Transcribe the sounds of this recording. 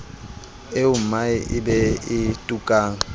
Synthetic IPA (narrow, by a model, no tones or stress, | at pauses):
eʊm̩maɪɪbɛɪtʼukʼaːŋ̩